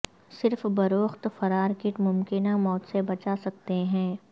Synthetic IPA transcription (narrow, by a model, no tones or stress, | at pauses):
sɪɾfbɐɾoːxt̪fɐɾaːɾkɪʈmʊmkɪnamɔːt̪sebɐt͡ʃasɐk̚t̪eɦɛ̃ː